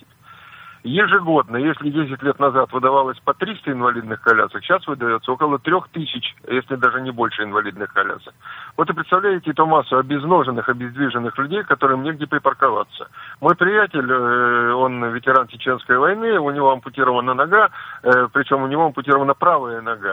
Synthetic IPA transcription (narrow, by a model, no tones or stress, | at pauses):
jɪʐɨɡo̞d̪̚nəjesʲlʲɪdʲes̬ʲɪtʲlʲet̪nɐzat̪vɨd̪ɐvalˠəsʲpɐt̪ɾʲist̪əɪnvɐlʲid̪nɨxkɐlʲa̰səkɕːasvɨd̪ɐjo̞t̪səo̞kəlˠət̪ɾʲoxt̪ɨsʲɪt͡ɕjesʲlʲɪd̪aʐɨnʲɪbo̞lʲʂɨɪnvɐlʲid̪nɨxkɐlʲa̰səkvot̪ɨpɾʲɪt̪st̪ɐvlʲæjɪtʲɪt̪umasːʊɐbʲɪzno̞ʐɨnːɨxɐbʲɪzd̪vʲiʐɨnːɨxlʲʉdʲejkɐt̪o̞ɾɨjmnʲeɡ̚dʲepɾʲɪpərkɐva̰t̪sə̰mo̞jpɾʲɪjatʲɪlʲo̞nvʲɪtʲɪɾant͡ɕɪt͡ɕe̞nskəjvɐjnɨʊnʲɪvo̞ɐmpʊtʲiɾəvənənɐɡapɾʲɪt͡ɕo̞mʊnʲɪvo̞əmpʊtʲiɾəvənəpɾavɨjənɐɡa